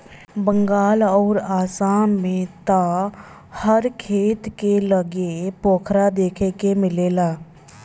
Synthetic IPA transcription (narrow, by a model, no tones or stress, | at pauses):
bə̃ŋɡaːlɔːɾaːsaːmmẽt̪a | həɾkʰeːt̪keləɡepoːkʰɾad̪eːkʰekemɪleːlaː